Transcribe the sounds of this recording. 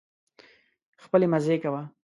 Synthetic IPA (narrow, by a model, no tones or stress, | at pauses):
xpəlemazekawa